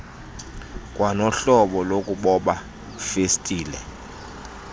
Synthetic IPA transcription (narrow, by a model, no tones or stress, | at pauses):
kʼwanɔɬɔɓɔlokʼuɓɔɓa | festʼiːlɛ̰